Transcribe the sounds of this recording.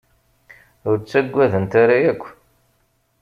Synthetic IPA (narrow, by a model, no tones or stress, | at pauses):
ʊɾt͡sːæɡʷːæðənt̪aɾajækʷː